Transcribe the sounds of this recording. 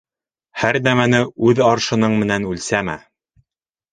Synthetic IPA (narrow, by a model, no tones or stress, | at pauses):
hæɾnæmænɘʉðɑɾʃɤ̆nɤɴmɘ̆nænʉlsæmæ̰